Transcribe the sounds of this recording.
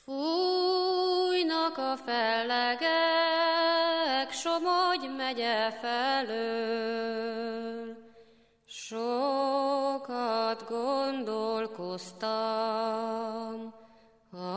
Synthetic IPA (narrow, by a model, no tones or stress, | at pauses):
fu | jnɒkɒfɛlːɛɡɛ | kʃomoɟmɛɟɛfɛløː | l | ʃo | kɒd̪ɡond̪olkost̪ɒ | m | hɒ